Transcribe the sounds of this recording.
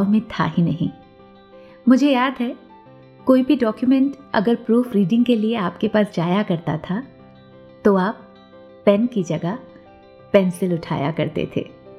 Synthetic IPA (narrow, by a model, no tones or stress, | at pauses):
ʋmẽt̪ʰa̰ɦinɐɦḭ̃ː | mʊd͡ʒʱejaːd̪ɦɛ | koːibʱiɖɔːkjumɛ̃ɳʈɐ̰ɡəɾpɾuːfɾiːɖɪ̃ŋɡkelieaːpkepaːsd͡ʒaːjakɐɾt̪a̰t̪ʰa | t̪oaːpː | ɛ̃nkid͡ʒɐɡa | pɛnsɪlʊʈʰa̰ːja̰kɐɾt̪ḛt̪ʰḛː